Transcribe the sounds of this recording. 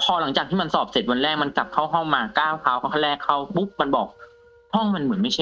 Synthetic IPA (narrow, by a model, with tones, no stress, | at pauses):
pʰɔː˧la˨˩˦ŋt͡ɕaː˨˩k̪̚ʰiː˥˩ma˧nsɔː˨˩p̚se˨˩t̪̚wa˧nɾɛː˥˩k̚ma˧nka˨˩p̚kʰa˦˥˩wɦɔ˥˩ŋmaː˧kaː˥˩wkʰaː˧˩wkʰa˥˩a˥˩˧lɛː˥˩kʰːa˧˥˩wbu˦˥p̚ma˧nbɔː˨˩k̚ | hɔ˥˩ŋma˧nmɯ˩˦ənma˥˩t͡ɕʰa˥˩